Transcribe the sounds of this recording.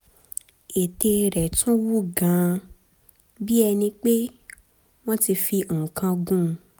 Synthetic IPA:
e˨te˧ɾɛ˨tʰũ˦wu˦ɡã˨˦ | bi˦ɛ˧nĩ˧k͡pe˦ | w̃ɔ̃˦ti˧fi˧o˨ũ˨kã˧ɡũ˦˧

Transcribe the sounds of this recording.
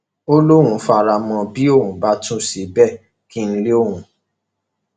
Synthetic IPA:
o˦lo˦ɾ̃ũ˨˦fa˧˨ɾa˧mɔ̃˧bi˨˦o˦˨ɦũ˨˦ba˨˦tũ˦˨si˨˦bɛ˦˨ | ki˦n̩˦le˦o˦˨ɦũ˨˦

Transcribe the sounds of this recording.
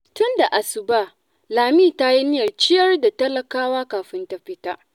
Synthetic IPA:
tʊ˦nda˨ʔa˨sʊ˨baː˦ | laː˨miː˦˨ta˦ji˦nɪ˦jɐ˨rt͡ʃɪ˦jɐ˦rda˨tɐ˦lɐ˨kaː˦waː˦kaː˨ɸɪ˦nta˦ɸɪ˦taː˦ʔ

